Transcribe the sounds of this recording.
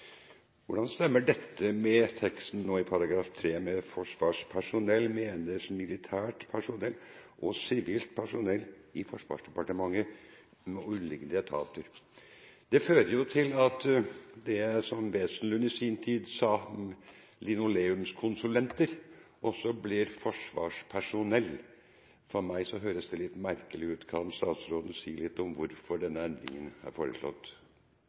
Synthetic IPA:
ʋʊɖɑnst̪ɛmːəɖɛt̪ːəmɛt̪ʰɛkst̪n̩nːoːɪpʰɑɾɑɡɾɑːft̪ʰɾeːmɛfɔʂʋɑːʂpʰæʂʊnɛlːmeːnəsmɪlɪt̪ʰæːʈpʰæʂʊnɛlːʔɔsɪʋiːlt̪̚pʰæʂʊnɛlːɪfɔʂʋɑ̰ːʂɖɛpɑʈəmɑŋːə | mɛʉnlɪɡənd̪ət̪ʰɑ̰ːt̪əɾ | d̪ɛføːɾəjʊt̪ʰɪlɑt̪d̪ɛsɔmʋeːsnlʉnɪsint̪ʰiːd̪sɑː | lɪnʊleːʉmskʰʊnsʉlɛnt̪əɾ | ʔɔsːɔblɪɾfɔʂʋɑ̰ːʂpʰæʂʊnɛlː | fɔɾmæɪsɔɦøːɾəsd̪ɛlɪt̪ːmæɾkəlɪʉːt̪kʰɑnst̪ɑːt̪sɾoːd̪n̩siːlɪt̪ːɔmʋʊɾfɔɖɛnːəɛnd̪ɾɪ̰ŋənhæ̰ɾfoːɾə̰ʂlɔ̰t̪ː

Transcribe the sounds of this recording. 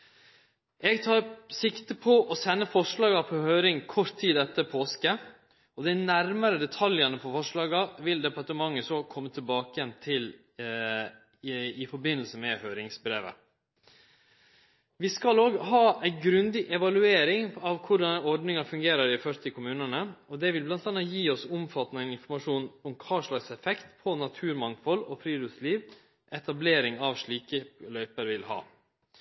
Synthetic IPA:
ɛɡt̪ʰɑːɾsɪkt̪əpʰɔʔɔsɛnːəfɔʂɭɑːɡɑpʰɔhøːɾɪŋkʰɔɾt̪ʰːiːd̪ɛt̪ːəpʰoːskə | ɔd̪æɪnæɾməɾəd̪ɛt̪ʰɑljənəpʰɔfɔʂɭɑːɡɑʋɪld̪ɛpɑʈəmɑŋːəsɔkʰɔmːət̪ʰɪlbɑːkəjɛnt̪ʰɪl | ɪfɔɾbɪnːəlsəmɛhœːɾɪŋsbɾḛːʋə̰ | ʋɪskɑloːɡɦɑːæɪɡɾʉnd̪ɪʔɛʋɑlʉeːɾɪŋɑʋkʰʊɖɑnɔɖnɪŋɑfʉŋɡeːɾəɾɪfœɾt̪ʰɪkʰʊmʉːnənəɔd̪ɛʋɪlblɑnt̪ɑnːɑjiːɔsʊmfɑt̪ːnæɪnɪnfɔɾmɑʂuːnɔmkʰɑːʂɭɑːɡsɛfɛkt̪pʰɔnɑt̪ʰʉːɾmɑŋfɔlɔfɾiːd̪ʉsliːʋ | ʔɛt̪ɑbleːɾɪŋɑʋʂɭiːkəlœʏpəɾʋɪlhɑ̰ː

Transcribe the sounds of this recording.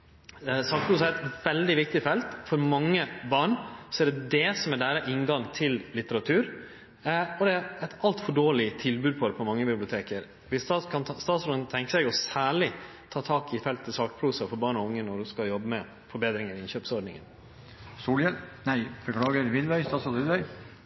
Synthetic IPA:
sɑːk̚pʰɾuːs̬ɑæɾɛt̪ʋɛld̪ɪʋɪk̚t̪ɪfɛlt̪fɔɾmɑŋːəbɑːɳsɔɛɖɛd̪ɛːsɔmæɖæːɾəʔɪnɡɑŋt̪ʰɪlːɪt̪əɾɑt̪ʰʉːɾ | ɔd̪ɛæɾɛt̪ɑlt̪fɔɖoːɭɪt̪ʰɪlbʉːd̪̚pʰɔd̪ɛpʰɔmɑŋːəbɪblɪʊt̪ʰeːkəɾ | ʋɪst̪ɑkʰɑnst̪ɑːt̪sɔnnt̪ʰɛŋkəsɛːɡɔsæːɭɪ | t̪ʰɑːt̪ʰɑːkɪfɛlt̪ʰːɪlsɑːkəpʰɾuːsɑfɔɾbɑːɳɔʊŋːənɔɖʉskɑljɔbːəmɛ | fɔɾbeːd̪ɾɪŋəɾɪɪnɕøːpsɔɖɳɪ̰ŋə̰n | suːljɛnæɪbəkʰɽɑːɡəɾʋɪd̪bœʏst̪ɑːsɑlʋɪlbœʏ

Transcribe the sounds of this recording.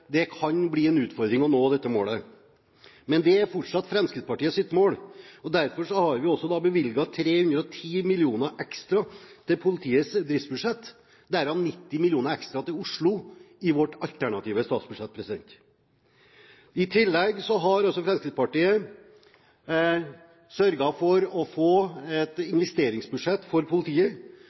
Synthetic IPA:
d̪ɛkʰɑnbliːɛnʉːt̪fɔɾd̪ɾɪŋɔnoːd̪ɛt̪ːəmo̰ːlə | mɛnd̪ɛæɾfɔʈʂɑt̪ːfɾɛnskɾɪd̪pɑʈiːəsɪt̪moːlɔd̪æɾfɔɾʂɔhɑɾʋɪɔsːɔd̪ɑːbəʋɪlɡɑt̪ʰɾeːhʉnd̪ɾɔt̪ʰiːmɪlɪuːnəʔɛkst̪ɾɑt̪ʰɪlpʰʊlɪt̪ʰiːəsd̪ɾɪft̪bʉd̪ʂɛt̪ː | d̪æɾɑnnɪt̪ːɪmɪljuːnəɾɛkst̪ɾɑt̪ɪlʊʂɭʊɪʋɔʈɑlt̪ʰæɳɑt̪ʰiːʋəst̪ɑːt̪sbʉd̪ʂɛt̪̚ːpʰɾɛsɪd̪ɛ̰nt̪ | ɪt̪ʰɪlːɛɡsɔɦɑɾɑlsɔfɾɛmskɾɪt̪pɑʈiːə | sœɾɡɑfɔɾɔfoːɛt̪ɪnʋɛst̪eːɾɪŋsbʉd̪ʂɛt̪ːfɔɾpʰʊlɪt̪ʰiːə

